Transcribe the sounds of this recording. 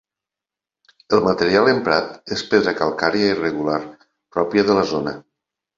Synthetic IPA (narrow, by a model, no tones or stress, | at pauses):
əlˠmət̪əɾialˠempɾat̪espeðɾakalˠkaɾiairəɣulaɾ | pɾɔpjəðələzonə̰